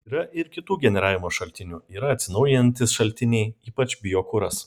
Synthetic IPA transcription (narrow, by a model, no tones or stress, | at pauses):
iːɾɐʔɪɾkʲɪt̪uːɡʲɛnʲɛɾɑːʋʲɪmoːʃɐlʲt̪ʲɪnʲuːiːɾɐɐt̪ʲsʲɪnɒʊjɪɛnʲt̪ʲɪsʃɐlʲt̪ʲɪnʲɛɪiːpɐt͡ʃʲbʲɪjoːkʊɾɐs